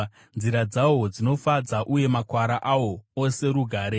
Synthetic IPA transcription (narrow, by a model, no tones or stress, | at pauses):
nziɾad͡zawo̞d͡zino̞fad͡zaʔuje̞makwaɾaʔawo̞ːse̞ɾuɡʱaːɾe